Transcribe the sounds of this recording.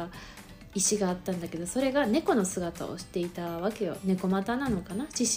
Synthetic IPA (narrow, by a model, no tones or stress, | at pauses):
a | iɕiɡaːt̪ːãnd̪ake̞d̪o̞so̞ɾe̞ɡane̞ko̞no̞sɨɡat̪a̰o̰ɕi̥t̪e̞it̪aβake̞jo̞̰ne̞ko̞mat̪anano̞kanaɕiɕ